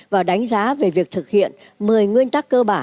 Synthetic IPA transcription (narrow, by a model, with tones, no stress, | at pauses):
vaː˨˩wɗa˨˦jŋ̟zaː˨˦ve˨˩vi˨˩ək̚t̪ʰɨ˨˩k̚hḭ˧˨ən | mɨ˨˩əjŋwi˧ənt̪aː˦˥kːəː˧ɓaː˧˩